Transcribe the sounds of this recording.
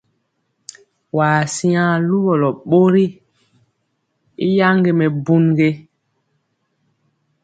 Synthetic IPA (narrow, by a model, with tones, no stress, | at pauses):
waː˨si˦ã˦lu˦bɔ˨lɔ˨ɓo˦ɾi˦ | i˦ja˦ŋɡe˨mɛ˨bu˦nɡe˦